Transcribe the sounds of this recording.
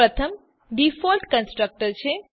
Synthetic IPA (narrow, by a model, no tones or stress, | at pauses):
ɾət̪ʰəm | ɖifʰolʈkənsʈɾək̚ʈəɾt͡ʃʰe